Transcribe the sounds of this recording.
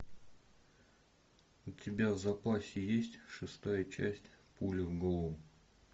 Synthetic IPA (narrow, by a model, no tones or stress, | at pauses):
ʊtʲɪbʲavzɐpasʲɪjesʲtʲʂɨst̪ajət͡ɕæsʲtʲpulʲəvɡolˠom